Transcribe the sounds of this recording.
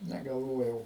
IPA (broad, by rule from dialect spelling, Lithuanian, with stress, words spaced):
nʲɛɡɐlˠˈʋoːjɛʊ